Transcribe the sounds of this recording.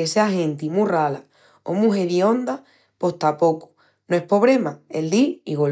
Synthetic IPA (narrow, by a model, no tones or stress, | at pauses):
eseaɦẽ̞nt̪imurala | o̰mũɦe̞βio̞nd̪a | po̞ht̪apo̞ku̥ | noe̞hpo̞β̞ɾe̞maeld̪iiɣo